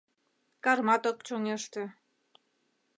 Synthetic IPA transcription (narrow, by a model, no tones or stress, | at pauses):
kɑrmɑt̪okt͡ɕoŋeʃt̪ĕ